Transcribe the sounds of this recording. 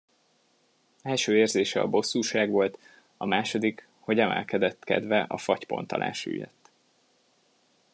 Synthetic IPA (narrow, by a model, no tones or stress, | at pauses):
ɛlʃøːeːrzeːʃɛɒ̰bo̞sːuːʃaːɡʋo̞lt̪ | ɒmaːʃo̞d̪ik | ho̞ɟɛmɛ̰lkɛd̪ɛt̪ːkɛ̰d̪vɛʔɒfɒcpo̞̰nt̪ɒ̰lʔa̰ːʃy̰jø̰t̪ː